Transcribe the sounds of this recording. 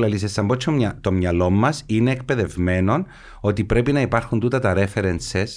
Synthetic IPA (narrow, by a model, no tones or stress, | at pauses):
lɐlisest̪ɐmbot͡ʃʰt̪o̞mɲɐlo̞mːɐsine̞ːk̚pe̞ðe̞vme̞no̞n | o̞t̪ipɾe̞pinɐipɐɾxunt̪ut̪ɐt̪ɐɾe̞feɾenses